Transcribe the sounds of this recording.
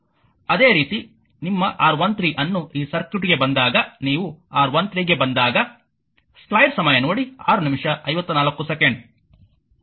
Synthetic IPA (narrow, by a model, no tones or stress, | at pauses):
ɐd̪e̞ːɾiːt̪i | nimːɐʔaːɾʋɐnt̪ɾiːʔɐnːuʔiːsɐɾkjuʈɡe̞bɐnd̪aːɡɐniːʋuaːɾʋɐnt̪ɾiːɡe̞bɐnd̪aːɡɐ | sklɐjɖsɐmɐjɐnoːɽia̰ːɾunimʂɐʔɐjʋɐt̪ːunaːlɐkːusekeɳɖ